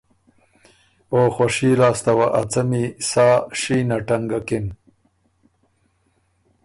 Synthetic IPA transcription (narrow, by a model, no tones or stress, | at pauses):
oːxoʂiːlaːst̪ɐwaʔɐ̰t͡sɐmisaːʂiːnaʈaŋɡakɪn